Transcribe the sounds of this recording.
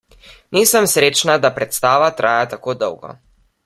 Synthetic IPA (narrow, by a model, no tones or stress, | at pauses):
niːsəmsɾeːt͡ʃnad̪apɾɛt̪st̪aːʋat̪ɾʔaːjat̪akoːd̪əwɡɔ̰